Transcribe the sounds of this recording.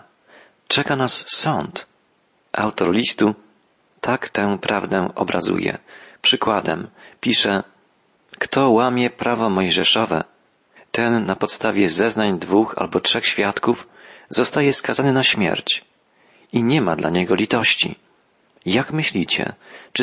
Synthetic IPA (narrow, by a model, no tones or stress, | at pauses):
t͡ʂɛkanasːɔnt̪ | ʔa̰wt̪ɔɾlʲist̪u | t̪ʰakt̪ɛ̃pɾavd̪ɛɔ̰bɾazṵjɛ̰pʂɘkwad̪ɛmpʲiʂɛ | kt̪ɔwamʲjɛpɾavɔmɔjʐɛʂɔvɛ̰ | t̪ɛnːapɔt̪st̪avʲjɛzɛznaɲd̪vuxa̰lbɔtʂɛxɕfʲjat̪kuf | z̥ɔst̪ajɛskazanɘnaɕmʲjɛ̰ɾt͡ɕ | iɲɛmad̪la̰ɲɛɡɔlʲit̪ɔɕt͡ɕḭ | jakmɘɕlʲit͡ɕɛ̰t͡ʂ